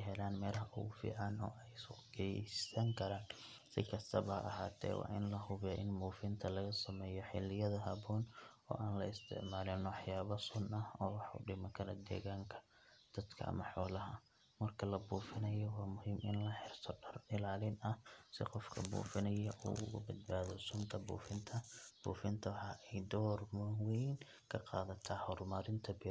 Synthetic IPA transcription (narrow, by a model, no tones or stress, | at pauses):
jɦɛlaːnmɛːlɦɐʔʊɣʊfḭːʕɑnɔ̰ːʔɛjsɡɛsɐŋkʰɐɾaːn | sɪ̰kʰɐst̪ʰɐβɐɐ̰ʔɐɦa̰ːt̪ʰɛ̰ːwʔɑ̰ːʔɪnlɐɦʊβjɔʔɪnmuːfɪnt̪ʰɐlɐɣɐsɐmɛːjɔħɪlːɪjɐðɐɦɐbɔːnɔ̰ːʔaːnlɐɪst̪ʰɪ̰ʕmaːlɪnɔwɑħjaːβɐsʊnɐhɔːwɑħʊ̰ɖɪmɐkʰɐlɛ̰d̪ɛ̰ːɣaːŋkʰɐ̥ | d̪̥ɐd̪kʰɐ̰ɐ̰mɐħɔːlɐɦɐ | mɐrkʰɐlɐbuːfɪnɐjɔwɑːmʊɦiːmɪ̰nlɐħɪrt̪ʰɔɖɐrɪlaːlɪnɐsɪ̰qɔfkʰɐ̰bṵːfɪnɐjɐʔṵːʊ̰ɣʊ̰bɐd̪̚baːðɔsʊnt̪ʰɐbṵːfɪnt̪ʰɐb̥ṵːfɪnt̪ʰɐwħɑʔɛjd̪ɔːrmʊwɛjn | kʰɐqɑ̰ːðɐt̪ʰɐhɔrmɐɾɪnt̪ʰɐbɪ